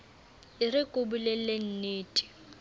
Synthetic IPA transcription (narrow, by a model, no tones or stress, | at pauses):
ɪrɪkʼʊbulelen̩neːtʼi̥